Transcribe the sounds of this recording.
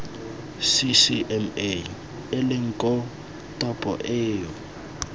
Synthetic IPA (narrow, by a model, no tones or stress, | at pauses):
sisiʔɛme | ɪlɪŋ̩kʼɔ | tʼɔpʼɔ̰ʔɪːjɔ